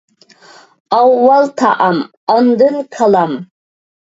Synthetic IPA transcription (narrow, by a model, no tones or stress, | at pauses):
awːalt̪ʰa̰ʔam | and̪ɨnkʰalam